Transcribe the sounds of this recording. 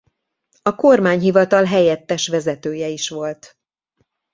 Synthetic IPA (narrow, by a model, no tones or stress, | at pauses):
ɒko̞rmaːɲɦivɒt̪ɒlɦɛjɛt̪ːɛʃʋɛzɛt̪øːjɛiʃʋo̞lt̪